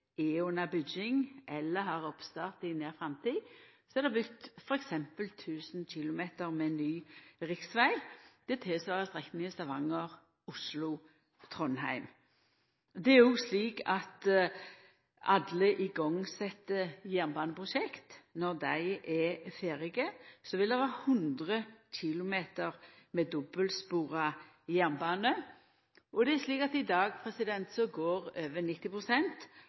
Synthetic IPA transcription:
eːunɑbʏd͡ʒɪŋʔɛlːəhɑʁɔpst̪ɑːʁt̪ɪneːʁfʁɑmt̪ʰiːsɔɛʁd̪ɛbʏkt̪fɔɾɛksɛmpəlt̪ʰʉːsn̩çɪlʊmeːt̪əʁmɛnːyːʁɪksʋæɪd̪̥ɛɛt̪ʰɪlsʋɑːʁəst̪ʁɛknɪŋəst̪ɑʋɑŋːəʁ | ʊslʊ | t̪ʰʁɔnhæɪm | d̪ɛæɾjʊsliːkɑt̪ | ɑd̪ləʔɪɡɔŋːsɛt̪ːəjænbɑːnəpʰʁʊʃɛkt̪nɔʁd̪æɪʔɛfeːʁɪɡəsɔʋɪld̪ɛʋɑːhʉnd̪ʁəçɪlʊmeːt̪əʁmɛːd̪ɔbəlspuːʁɑ | jæʁnbɑːnə | ʔɔd̪ɛæʂliːkɑt̪ɪd̪ɑːɡpʰʁɛsɪd̪ɛnt̪sɔɡoːʁøːʋənɪt̪ːɪpʁʊsɛnt̪

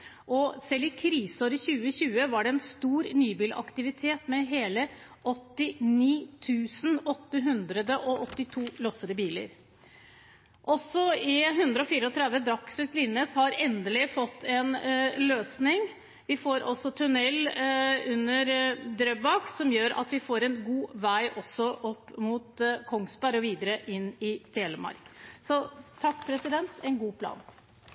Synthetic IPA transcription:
ʔɔsɛlːɪkʰɾiːsoːɾəçʉːəçʉːəʋɑɖɛɛnst̪uːɾnyːbiːlʔɑ̰kt̪ɪʋɪt̪ʰeːt̪mɛɦeːlə | ɔt̪ːɪniːt̪ʰʉːsn̩ɔt̪ːəɦʉnd̪ɾəd̪əʔɔʔɔt̪ːɪt̪ʰuːlɔsəd̪əbiːlə̰ɾ | ʔɔsːɔɪɦʉnd̪ɾəɔfiːɾəɔt̪ʰɾɛd̪ʋəd̪ɾɑksʉt̪lɪnəshɑɾɛnd̪əlɪfɔt̪ːɛnløːsnɪŋ | ʋɪfoːɾʔɔ̰sːɔt̪ʰʉnɛlʉnːəɾd̪ɾœbɑːksɔmjøːɾɑ̰t̪ʋɪfoːɾɛnɡuːʋæɪʔɔsːɔʔɔpːmʊt̪kʰɔŋsbæɾɔʋiːd̪əɾəʔɪnːɪt̪eːləmɑ̰ɾksɔt̪ʰɑkːpʰɾɛsɪd̪ɛnt̪ʰɛnɡuːpʰlɑ̰ːn

